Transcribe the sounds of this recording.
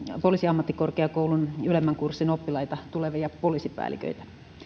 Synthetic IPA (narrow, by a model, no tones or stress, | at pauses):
polisiɑmːɑt̪ːikorkeɑkoulunylemːæŋkursːinopːilɑjt̪ɑt̪uleʋijɑpolisipæ̰ːlḭkø̰it̪æ̥